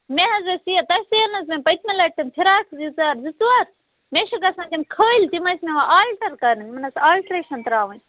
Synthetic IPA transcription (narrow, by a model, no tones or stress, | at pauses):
meɦɐzʋesiɐt̪ɐseːɾnɐsmẽmpɐt̪ʰmɐlɐʈːɐmp̪ʰiɾaːkʰzit͡saːɾzit͡swaːɾ | meʃɐkɐsãːd͡ʒʲɐmkʰoːilt̪imɐsmẽʋaaːlʈɐɾkɐɾɐnʲmɐnɐsaːlʈɾeːʃɐnt̪ɐɾaːʋɐn